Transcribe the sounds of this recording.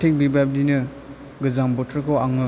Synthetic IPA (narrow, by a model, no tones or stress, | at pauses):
tʰek̚bibab̚dinɯ | ɡɯzambɔtʰɾkʰawaŋɯ